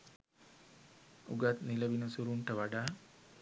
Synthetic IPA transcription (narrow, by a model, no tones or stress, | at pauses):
uɡat̪niləʋinusuɾuɳʈəʋaɖaː